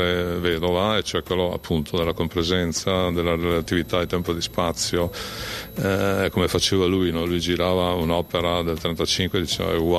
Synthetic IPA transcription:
eved̪ovaet͡ʃoɛkwelːoa̰pʰːunt̪ʰod̪elːakompɾezɛnt̪sad̪elːaɾelat̪ivit̪ad̪it̪ɛmpod̪ispat̪sːjo | komefat͡ʃeːvalujnɔlujd͡ʒiɾaːvaunɔpeɾad̪elt̪ɾent̪at͡ʃiŋkwed̪it͡ʃḛːva̰wa

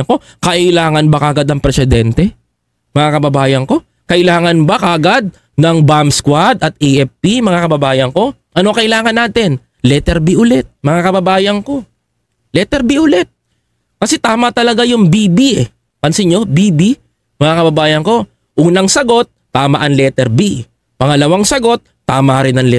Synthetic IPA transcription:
ko̞ | kɐʔɪlaːŋɐnbɐkaɡad̪ɐŋpɾɛsɛd̪ɛnt̪ɛ | mɐŋakɐbɐbaːjɐŋko̞ | kɐʔɪlaːŋɐnbɐkaɡad̪̚ | nɐŋbamskwad̪ɐt̪̚iʔɛfpimɐŋakɐbɐbaːjɐŋko̞ | ʔɐno̞kɐʔɪlaːŋɐnaːt̪ɪn | lɛt̪ɛɾbiʔʊlɛt̪̚mɐŋakɐbɐbaːjɐŋko̞ | lɛt̪ɛɾbiʔʊlɛt̪̚ | kɐsɛt̪aːmɐt̪ɐlɐɡajʊŋbibiʔɛ | kɐnsɪɲo̞bibi | mɐŋakɐbɐbaːjɐŋko̞ | ʔuːnɐŋsɐɡo̞t̪ːaːmɐʔɐŋlɛt̪ɛɾbi | pɐŋɐlɐwaŋsɐɡo̞t̪̚ːaːmaɾɪnɐŋlɛ

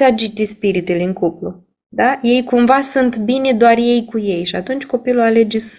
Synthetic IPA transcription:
ad͡ʒit̪espiɾit̪eleɨŋkuplu | d̪aje̞jkumvasunt̪binʲed̪oarje̞jkuje̞jʃiat̪unt͡ʃʲko̞piluale̞d͡ʒes

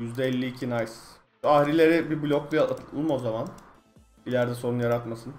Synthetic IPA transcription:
jyzd̪ɛːlʲːiːcʰinajs | ahɾilʲe̞ɾɪbiɾblʲoklˠujaat̪ʰɯlˠɯmo̞zaman | ilʲæɾd̪ɛso̞ɾunjaɾat̪masɯn

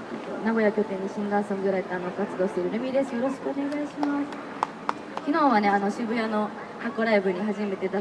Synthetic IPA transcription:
t̪onaɡo̞jakʲo̞kẽ̞ɲ̟ːiɕĩŋɡaːsãŋɡɯ̟ɾait̪ːeano̞kat͡sɨd̪o̞ːɕi̥t̪eɾɯ̟ɾɯ̟mʲid̪e̞sɨjo̞ɾo̞ɕi̥kɯone̞ɡaiɕimasɨ̥ | kʲinõ̞ːɰ̃βane̞ano̞ɕɨbɯ̟jano̞ | hakoɾaibɯ̟ɲ̟iɦaʑime̞t̪e̞d̪a

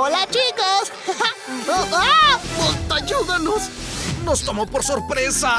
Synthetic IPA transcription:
olat͡ʃikas | amont̪aʝuðanos | nost̪omopoɾsoɾpɾesa

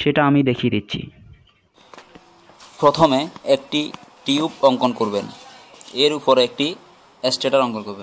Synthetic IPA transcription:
ʃeʈaamid̪ekʰied̪itːɕʰḭ | pɾot̪ʰomeek̚ʈiʈiupɔŋkonkoɾben | eɾupoɾek̚ʈi | esʈeʈaɾɔŋkonkoɾben

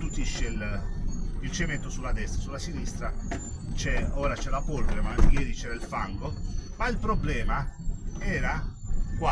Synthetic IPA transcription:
t̪ut̪ːiʃel | ilt͡ʃement̪osulːad̪ɛst̪ɾasulːasinist̪ɾat͡ʃɛoːɾat͡ʃɛlapolvɾemajɛːɾit͡ʃɛːɾailfaŋɡomailpɾoblɛːmaɛːɾakwa

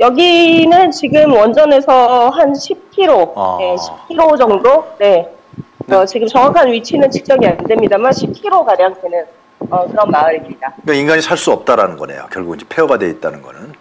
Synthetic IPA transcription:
jʌɡinɯnt͡ɕiɡɯmwʌnd͡ʑʌne̞sʰʌɦanɕʰip̚kʰiɾoje̞ɕʰi̥p̚kʰiɾod͡ʑʌŋdone̞ | ʌt͡ɕiɡɯmt͡ɕʌŋwakʰanɥit͡ɕʰinɯnt͡ɕʰɯ̥k̚t͡ɕ͈ʌŋiande̞mɲidamanɕʰip̚kʰiɾoɡaɾjaŋdenɯn | ʌkɯɾʌnmaɯɾekiɭdaɯkainɡaɲisʰaɭs͈uʌp̚t͈aɾanɯnɡʌne̞̰jo̰kjʌɭɡuɡiɲd͡ʑepʰeoɡadwe̞it̚t͈anɯnɡʌnɯn

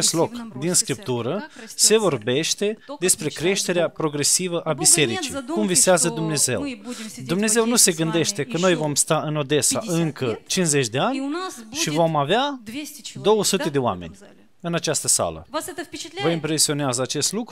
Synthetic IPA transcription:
est̪lo̞kd̪inskɾip̚t̪uɾəse̞vo̞rbe̞ʃt̪e̞d̪e̞spɾe̞kɾe̞ʃt̪e̞ɾeapɾo̞ɡɾe̞sivəʔabise̞ɾit͡ʃij̪kumviseazəd̪umne̞ze̞̰wd̪umne̞ze̞wnuse̞ɡɨnd̪e̞ʃt̪e̞kəno̞jvo̞mst̪aɨno̞d̪e̞sa̰ʔɨŋkət͡ʃinze̞t͡ʃʲd̪e̞anʲʃivo̞mavea | d̪o̞wəsut̪e̞d̪e̞oa̰me̞̰nʲ | ɨnat͡ʃast̪əsa̰lə̰ | vəimpɾe̞sio̞neazəat͡ʃe̞st̪lukɾu

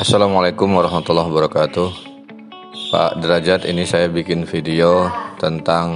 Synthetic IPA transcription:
asalamalakʊmwaɾɔɦmat̪ulːaɦbəɾakat̪uh | pa̰ʔdəɾad͡ʒat̪inisajabikɪnfidiot̪ənt̪aŋ

